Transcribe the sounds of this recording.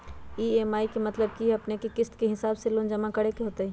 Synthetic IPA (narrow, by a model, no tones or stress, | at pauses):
iːemaːikemɐt̪ləb̚kiɐpnekekɪst̪keɦɪsaːbseloːnd͡ʒɐmakɐɽekeɦoːt̪aɦɛ